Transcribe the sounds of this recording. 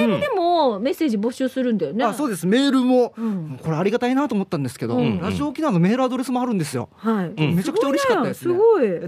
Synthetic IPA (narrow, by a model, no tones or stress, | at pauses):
ɯ̃d̪e̞mome̞sːe̞ːʑibo̞ɕɨːsɨɾɯ̟̃nd̪ajoneaso̞ːd̪e̞sɨme̞ːɾɯ̟mõ̞mko̞ɾeaɾʲiɡat̪ainat̪oːmot̪ːãnd̪e̞sɨ̥ke̞d̪oɾaʑio̞ːkʲinano̞me̞ːɾɯ̟ad̪o̞ɾe̞sɨmo̞aɾɯ̟nd̪esɨjo̰haime̞t͡ɕakɯt͡ɕaoɾeɕi̥kat̪ːad̪snɨɡoi